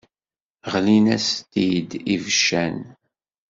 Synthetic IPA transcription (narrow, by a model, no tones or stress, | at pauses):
ʁlinæst̪id̪ivəʃːæn